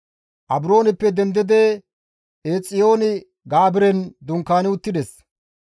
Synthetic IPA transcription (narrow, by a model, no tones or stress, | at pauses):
ʔɐbɾo̞ːnɪpːɛd̪ɛnd̪ɪd̪e | eːt͡sʼːɪjo̞ːnɪ | ɡaːbɪɾɛnd̪ʊŋkːaːnɪʊt̪ːɪd̪ɛs